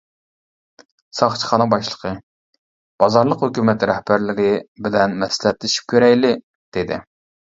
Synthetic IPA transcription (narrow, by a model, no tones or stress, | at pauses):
sɑχt͡ʃʰə̥χɑnɨŋbɑʃlˠə̥qʰə | b̥ɑzɑɾlˠəqhøkʲymɛt̪ɾɛhbæɾlɪɾʲɪbɪlɛnmɛsɪlɛt̪lɪʃi̥p̚kʲʰøɾɛjlɪ | d̪̥ed̪ɪ̰